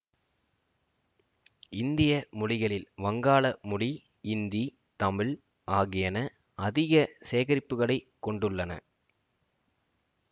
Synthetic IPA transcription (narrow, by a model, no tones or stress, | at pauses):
ɪnd̪ɪjɐmʊɻɪɣɐɭɪlʋɐŋɡaːɭɐmʊɽi | ɪnd̪i | t̪ɐmɪɭ | ʔaːɣɪjɐnɐ | ɐðɪɣɐseːɣɐɾɪpːɯɣɐɭɐɪkːɔɳɖɯɭːɐnɐ̰